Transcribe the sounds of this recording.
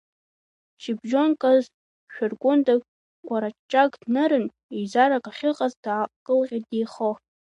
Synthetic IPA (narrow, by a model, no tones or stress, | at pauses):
t͡ʃʰibʒo̞nkʼaz | ʃᶣarɡʷʼʊnda | ɡʷʼaɾat͡ʃt͡ʃːʼaɡʼdnɨɾɨn | ezaɾakʼaχʲɪqʼazdʕaqkʼɨlqʲʼadijχo